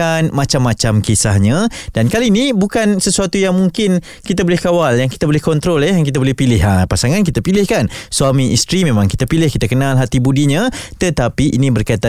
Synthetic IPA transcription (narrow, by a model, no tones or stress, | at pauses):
anmat͡ʃamːat͡ʃamkisahɲadankaliːnibukansəsuat̪ujaŋmuŋkɪn | kit̪abolɛhkawaljaŋki̥t̪abolɛhkɔnt̪ɾolɛjaŋkit̪abolɛhpilɪɦapasaŋank̬it̪apilɪhkansuamiʔist̪ɾimẽmãŋkit̪apilɪhkit̪akənalɦat̪ibudiɲat̪ət̪apiʔḭnĩbərkait̪a